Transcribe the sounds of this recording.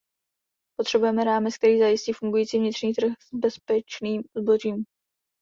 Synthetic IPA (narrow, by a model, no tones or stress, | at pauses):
po̞t̪r̥ɛbujɛmɛɾaːmɛt͡sk̚t̪ɛɾiːzajɪsciːfuŋɡujiːt͡siːvɲɪt̪r̥ɲiːt̪r̩xzbɛspɛt͡ʃniːmzbo̞ʒiːm